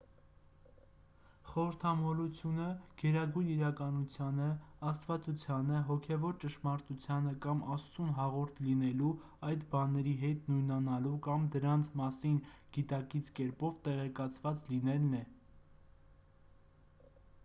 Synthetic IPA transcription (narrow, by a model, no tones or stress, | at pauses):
χɔɾəɾt̪ʰɑmɔlut͡sʰjunəɡ̥ɛɾɑɡujniɾɑkɑnut͡sʰjɑnəɑst̪vɑt͡sut͡sʰjɑnəɦɔkʰɛvɔɾt͡ʃəʃmɑɾt̪ut͡sʰjɑnəkɑmɑst͡sunɦɑʁɔɾt̪ʰlinɛlu | ɑjd̪bɑnɛɾiɦɛt̪nujnɑnɑlukɑmd̪əɾɑnt͡sʰmɑsinɡ̥it̪ɑkit͡sʰkɛɾpɔvt̪ɛʁɛkɑt͡sʰvɑt͡slinɛlnɛ